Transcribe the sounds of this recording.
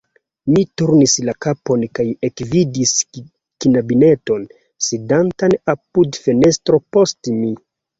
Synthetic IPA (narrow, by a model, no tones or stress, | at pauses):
mituɾnislakapo̞nkaje̞kvidis | kinabine̞to̞n | sidantanapudfe̞ne̞stɾo̞po̞stmi